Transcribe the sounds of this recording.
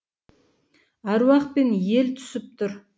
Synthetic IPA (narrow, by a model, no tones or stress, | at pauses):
ɑɾwɑq̚pe̞nje̞lt̪ʰʏ̥sɪp̚t̪ʰʊɾ